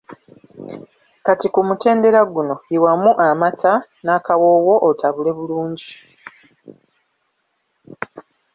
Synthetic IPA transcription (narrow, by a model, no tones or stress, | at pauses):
katikumute̞ːnde̞ɾaɡuno̞iwamuʔamatʰanaːkawo̞ːwo̞ʔotʰaβule̞βuluːɲɟi